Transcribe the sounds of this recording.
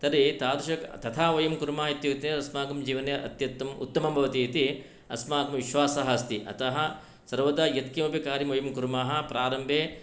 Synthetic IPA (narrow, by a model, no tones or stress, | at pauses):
t̪ɐɾit̪aːɾuʃɐkt̪ɐt̪ʰaːʋɐjɐmkuɾmaːɦit̪jut̪neɐsmaːkɐmd͡ʒiːʋɐnjɐʔɐ̰t̪jɐt̪ːɐmṵt̪ːɐmɐmbʱɐʋɐt̪iit̪i | ɐ̰smaːɡɐmʋiʃʋaːsɐɦɐst̪iʔɐ̰t̪ɐɦɐ̆ | sɐɾʋɐd̪aːjɐt̪kimɐbʱikaːɾimʋɐjɐmkuɾmaːɦɐ̆pɾaːɾɐmbʱeː